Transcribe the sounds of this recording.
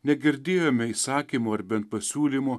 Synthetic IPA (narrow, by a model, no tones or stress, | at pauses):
nʲɛɡʲɪɾʲd̪ʲeːjoːmʲɛiːsɑːkʲiːmoːɐɾbʲɛnt̪̚pɐsʲuːlʲimuː